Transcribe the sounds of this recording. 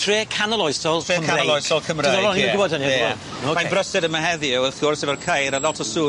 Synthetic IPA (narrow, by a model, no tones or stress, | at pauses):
tʰreːkʰanəlˠɔjsɔlˠːəkʰaneəlˠɔjsɔlˠkʰəmrnɔlɔniɡʊbɔdhəniɔ | omabrəsɛdəmaɦɛðiɛwəθɡɔrseːvərkʰajɾəlɔtʰəsuː